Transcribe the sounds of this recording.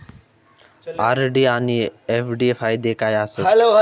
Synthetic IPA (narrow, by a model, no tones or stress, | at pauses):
aɾɖianiepʰɖiefʰajd̪ekʰajaːsə